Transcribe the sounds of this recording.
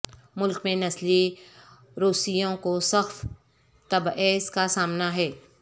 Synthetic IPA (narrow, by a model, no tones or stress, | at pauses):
mʊlkmẽnɐsli | ɾuːsijõkosɐxf | t̪ɐbeːskasaːmnaɦɛː